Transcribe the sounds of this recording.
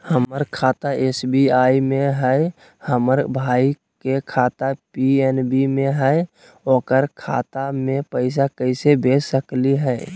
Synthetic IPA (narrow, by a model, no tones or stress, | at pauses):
həməɾkʰat̪aʔesbiaimeɦəɪ | həməɾbʱai | kekʰat̪apienbimẽɦəɪ | oːkəɾkʰa̰t̪amepəɪs̬akəɪsebesəkliɦɛɪ